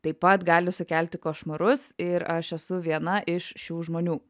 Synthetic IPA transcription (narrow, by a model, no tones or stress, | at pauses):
t̪ɐɪpːɐt̪ɡɑːlʲʊsʊkʲæˑlʲt̪ʲɪkoːʃmɐɾʊsɪɾɐʃɛsʊʋʲiɛnɐʔɪʃʃʲuːʒmoːnʲuː